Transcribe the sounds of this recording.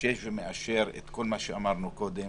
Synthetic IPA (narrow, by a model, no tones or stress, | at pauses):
eʃvemeʔaʃeɾḛt̪kolmaʃeamaʁnukod̪e